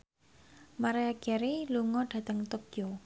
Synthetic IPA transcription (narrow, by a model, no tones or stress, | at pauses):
maɾeaɡ̥ɛɾeluŋɔɖ̥ä̤t̪əŋt̪okjo